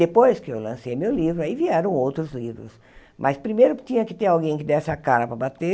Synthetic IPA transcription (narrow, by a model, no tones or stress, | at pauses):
epojskɪewlɐ̃sejmewlivɾʊaiviɛɾɐ̃w̃owt̪ɾʊzlivɾʊ̰s | mʔɐspɾimejɾʊt͡ʃĩɲɐkɪt̪eɾawɡẽj̃kɪd̪ɛsɪakaɾɐpɾɐbat̪e